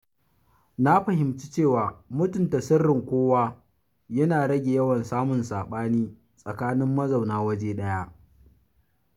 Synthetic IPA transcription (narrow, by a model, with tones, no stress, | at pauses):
na˦ɸɐ˨ɦɪ˨mt͡ʃi˦t͡ʃeː˦˨waː˨mʊ˦tʊ˨ntɐ˨sɐ˦rːɪ˨ŋkʷoː˦waː˦ | jɐ˦naː˨ɽɐ˦ɡʲe˨jɐ˦wɐ˨nsaː˦mʊ˨nsaː˨ɓaː˦niː˦ | sʼɐ˨kaː˦nɪ˦mːɐ˦za˨wnaː˦wɐ˦d͡ʒeː˦ɗɐ˦ja˦ʔ